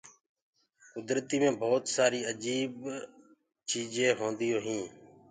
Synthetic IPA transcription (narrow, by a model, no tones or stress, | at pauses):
kʊd̪ɾt̪iːmẽːbʱoːt̪saːɾiːəd͡ʒiːb | t͡ʃiːd͡ʒẽːɦõːnd̪ɪjoːɦĩː